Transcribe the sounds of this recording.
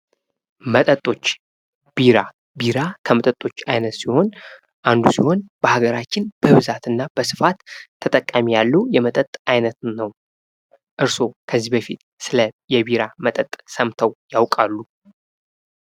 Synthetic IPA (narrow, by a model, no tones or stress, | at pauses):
mət̪ʼət̪ʼo̞t͡ʃː | b̥iɾa | biɾakʰəmət̪ʼət̪ʼo̞t͡ʃːajnət̪siho̞n | ʔand̪usiho̞nb̥əhaɡəɾat͡ʃːɪnb̥əɨβzat̪ɨnːab̥əsɨ̥fat̪ʰːət̪ʼəkʼːəmijalːujɛmət̪ʼət̪ʼajnət̪nəw | ʔɨɾso̞kʰəzːibəfit̪ | sɨləjɛbiɾamət̪ʼət̪ʼsəmt̪ʰəwjawkʼalːu